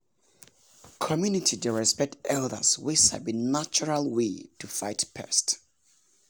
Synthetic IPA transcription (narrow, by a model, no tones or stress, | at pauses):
kʰɔmjunitʰideɹɛspɛk̚tɛldə̰swɪsha̰bĩnːat͡ʃuɹalˠwetʰufaɪtpʰɛ̰st